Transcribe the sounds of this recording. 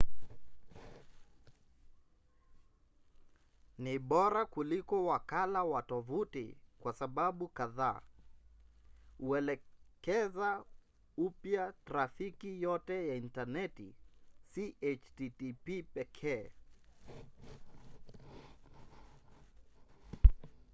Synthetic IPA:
niɓɔɾakulikɔwakalawatɔvutḭkwasaɓaɓukaðaː | uɛlɛkɛza | upjataɾafikijɔtɛjaintanɛtisiʔet͡ʃtitipipɛkʰɛː

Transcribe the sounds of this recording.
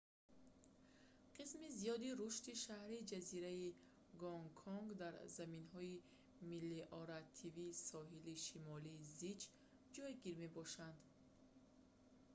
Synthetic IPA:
qʰismizijɔd̪iɾuʃt̪iʃahɾid͡ʒaziɾai | ɡɔŋkʰɔŋɡd̪aɾzaminɦɔi | milːiʔɔɾat̪ʰiviːsɔɦiliʃimɔliːzid͡ʒ | d͡ʒɔjɡiɾme̞bɔʃand̪

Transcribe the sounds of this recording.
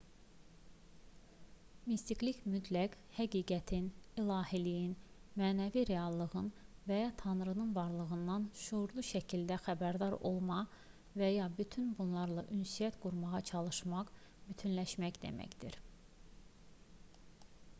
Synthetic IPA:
mist̪iklicmyt̪ʰlæk | hæɡiːɡæt̪ʰinilˠɑːhilijinmæːnæviɾe̞ɑlˠːɯɣɯnvæjɑt̪ʰɑnɾɯnɯnvɑɾlˠɯɣɯnd̪ɑnʃuuɾlˠuʃæcʰild̪æxæbæɾd̪ɑɾo̞̰lˠmɑ | væjɑbyt̪ʰynbunlˠɑɾlˠɑʔynsijæt̪ɡ̥uɾmɑʁɑt͡ʃʰɑlˠɯʃmɑq | byt̪ʰynlæʃmæcd̪e̞̰mæ̰çd̪̥ḭɾ

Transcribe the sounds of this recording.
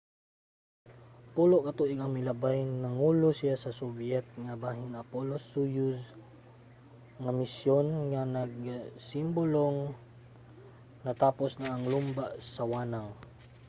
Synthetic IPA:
puloʔkɐt̪uʔɪɡɐŋmɪlɐbajnɐŋulosijasɐsobjɛt̪̚ŋabaɦɪnapolosːujʊs | ŋamɪsjonŋanɐɡ̚simboloŋ | nɐt̪aːposnaaŋlumbaʔsawaːnaŋ

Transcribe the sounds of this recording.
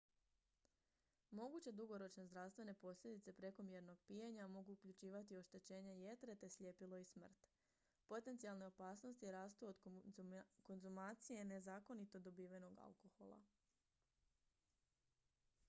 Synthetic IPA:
mo̞ɡut͡ɕed̪uɡo̞ɾo̞t͡ʃnezd̪ɾafst̪ʋe̞ne̞po̞sʎʲe̞d̪it̪e̞pɾe̞ko̞mjed̪no̞ɡ̥̚pijeɲamo̞ɡuːkʎut͡ɕiːʋat̪io̞ʃt̪e̞t͡ɕe̞ːɲejet̪ɾe̞t̪e̞sʎʲepilo̞ism̩r̩t̪ | po̞t̪ent̪sijalne̞o̞paːsno̞st̪ijeɾaːst̪uod̪ | ko̞nzumaːt̪sijene̞zaːko̞nit̪o̞d̪o̞biːʋeno̞ɡa̰lˠko̞xo̞̰lˠa̰

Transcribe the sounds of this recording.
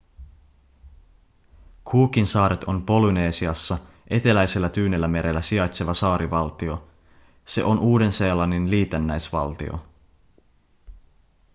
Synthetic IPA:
kʰuːk̟insɑːɾet̪o̞mpo̞lune̞ːsiɑsːɑ | ʔe̞t̪e̞læjse̞lːæt̪yːnelːæme̞ɾʔelːæsiɑjt̪se̞ʋɑsɑːɾʔiʋɑlt̪io̞ | se̞̰ʔo̞nʔuːde̞nseːlɑnːinliːt̪enːæjsʋɑ̰lt̪ḭo̰

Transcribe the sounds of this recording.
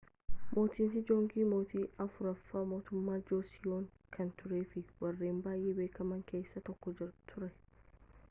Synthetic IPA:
mʔo̞ːt̪iːnt̪ɪd͡ʒoːŋɡiːmoːt̪iːɐfʊɾɐfːaːmo̞ːt̪ʊmːaːd͡ʒoːsɪjoːŋ | kʰɐnt̪ʊɾeːfɪwɐrːeːmbaːjʔeːbeːkɐmɐŋke̞ːsːɐt̪ɔkːɔd͡ʒɪɾt̪ʰʊɾɛ

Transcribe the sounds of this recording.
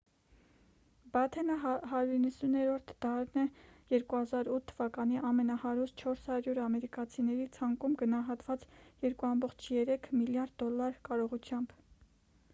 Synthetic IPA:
bɑt̪ʰɛnəɦɑɾjuɾinːəsunɛɾɔɾt̪ʰd̪̥ɑɾnɛjɛɾkuhɑzɑɾut̪ʰːəvɑkɑniʔɑmɛnɑhɑɾust̪t͡ʃʰɔɾshɑɾjuɾɑmɛɾikɑt͡sʰinɛɾit͡sʰɑŋkumɡənɑɦɑt̪vɑt͡sjɛɾkuɑmbɔχt͡ʃʰjɛɾɛkʰmiljɑɾd̪ːɔlːɑɾkɑɾɔʁut͡sʰjɑmb

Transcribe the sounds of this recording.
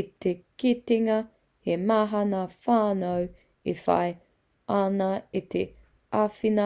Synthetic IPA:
it̪ekitiŋɐ | hemaːɦɐnɐfaːnow | ḛfɐ̰j | anɐit̪ʰḛ | afinɐ

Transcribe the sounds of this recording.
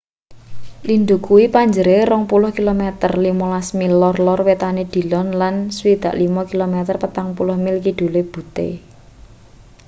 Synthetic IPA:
lind̪ukuipaɲd͡ʒəɾerɔŋpulʊhkilomɛt̪ərlimɔlasmilɔrlɔrwet̪aned̪̥i̤lɔnlanswid̪̥ä̤ʔlimɔkilomɛt̪ərpət̪aŋpulʊhmilkid̪̥ṳleb̥ṳt̪ḛ

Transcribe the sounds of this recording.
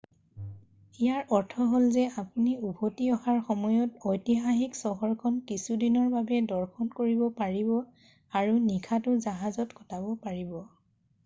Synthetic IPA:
ijaɹʔɔɹtʰɔɦolzɛapuniubʱotiɔhaɹxɔmɔjɔtojtixaxiksɔɦɔɹkʰɔnkisudinɔɹbabɛdɔɹkʰɔnkoɹibɔpaɹibɔ | aɹunikʰatʊzaɦazɔtkɔ̥tabɔpaɹibɔ

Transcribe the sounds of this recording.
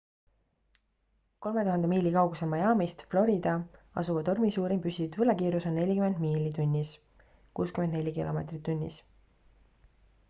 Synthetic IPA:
ko̞lme̞t̪uɦɑnd̪emiːlikɑwɡusemɑjɑːmist̪flo̞ɾid̪̥ɑɑ̰suvɑt̪o̞rmisuːɾimpysid̪vɤlɑkiːɾuso̞nːe̞lʲikyme̞nd̪̥miːlit̪unʲːis | kuːskymend̪ne̞lʲːikilo̞̰me̞ːt̪rit̪ːunʲːḭs

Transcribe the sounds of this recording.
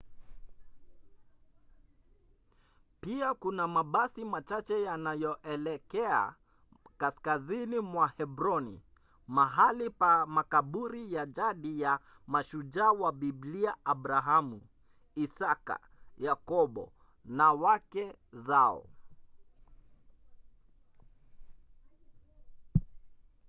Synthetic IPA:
piakunamaɓasimat͡ʃat͡ʃɛjanajɔʔɛlɛkɛa̰ | kaskazinimwahɛbɾɔnḭ | maɦalipamakaɓuɾijad͡ʒaɗija | maʃud͡ʒawaɓibliaʔabɾaɦamu | isaka̰ | jakɔɓɔ̰ | nawakɛ | zaɔ̰

